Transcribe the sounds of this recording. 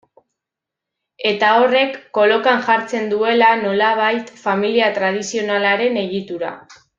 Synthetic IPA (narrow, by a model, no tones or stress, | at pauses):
e̞t̪ao̞re̞kːo̞lo̞kaŋʝaɾt͡se̞nd̪ue̞lano̞laβ̞ajt̪familiat̪ɾað̞isio̞nalaɾe̞ne̞ɣ̞it̪uɾa̰